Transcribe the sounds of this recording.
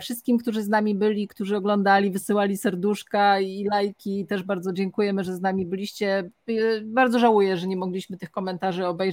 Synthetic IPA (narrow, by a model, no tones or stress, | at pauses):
fʂɘst̪̚kʲimkt̪uʐɘznamʲibɘlʲikt̪uʐɘɔɡlɔnd̪alʲivɘsɘwalʲisɛɾd̪uʂkailajkʲiːt̪ɛʐbaɾd̪ɔd͡ʑɛŋkujɛmɘʐɛznamʲibɘlʲiɕt͡ɕɛ | baɾd̪ɔʐawujɛʐɛɲɛmɔɡlʲiɕmɘt̪ɘxkɔmɛnt̪aʐɘɔbɛjʐ